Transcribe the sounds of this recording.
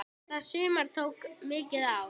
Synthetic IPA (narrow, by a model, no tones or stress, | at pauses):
asʏːmaɾ̥t̪ʰoːwkmɪːcɪðaw